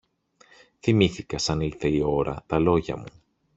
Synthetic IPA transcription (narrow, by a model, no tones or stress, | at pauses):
θimiθikɐsɐnilθe̞io̞ɾɐ̰t̪ɐlo̞ʝɐ̰mu